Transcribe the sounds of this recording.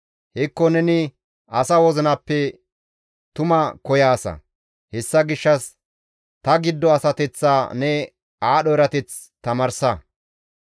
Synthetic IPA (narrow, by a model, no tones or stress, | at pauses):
hɛkːɔnɛnɪ | ʔɐsɐwɔzɪnɐpːɛ | t̪ʊmɐkɔjaːsɐ̰ | hɛsːɐɡɪʃːɐs | t̪ɐɡɪd̪ːɔɐsɐt̪ɛt͡sːaːnɛ | aːɗɔɛɾɐt̪ɛt͡s | t̪ɐmɐɾsɐ